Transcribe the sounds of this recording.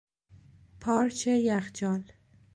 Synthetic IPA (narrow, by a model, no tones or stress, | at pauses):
pʰɒːɾt͡ʃʰejæxd͡ʒɒːl